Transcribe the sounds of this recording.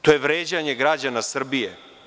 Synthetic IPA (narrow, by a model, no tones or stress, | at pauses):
t̪o̞je̞ʋɾeːd͡ʑaɲe̞ɡɾad͡ʑanasr̩bije